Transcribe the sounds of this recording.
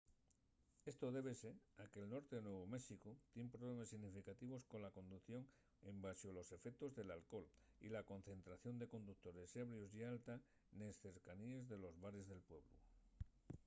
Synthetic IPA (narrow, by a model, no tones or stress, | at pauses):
e̞st̪o̞ð̞e̞β̞e̞se̞ɾake̞ːlno̞ɾt̪enwe̞βomesikot̪je̞mpɾoβle̞masːiɣnifikat̪iβ̞o̞sko̞nlako̞nd̪uθjo̞ŋ | embasjolo̞se̞fek̚t̪o̞zðe̞lalko̞l | ḭlako̞n̟θe̞nt̪ɾaθjo̞nd̪e̞ko̞nd̪uk̚t̪o̞ɾe̞seβ̞ɾjosialt̪a | nesθe̞ɾkaniezðe̞lo̞zβaɾe̞zðe̞lpwe̞βlṵ